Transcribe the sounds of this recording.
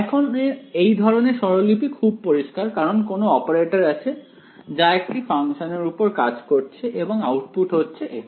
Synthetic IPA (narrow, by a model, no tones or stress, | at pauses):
ɛkʰoneejd̪ʱɔɾoneʃɔɾolipikʰub̚poɾiʃkaɾkaɾonkonoɔpeɾeʈaɾat͡ɕʰe | d͡ʑaek̚ʈifaŋʃoneɾupoɾkad͡ʑkoɾt͡ɕʰeʔeboŋawʈ̚puʈɦotːɕʰeʔe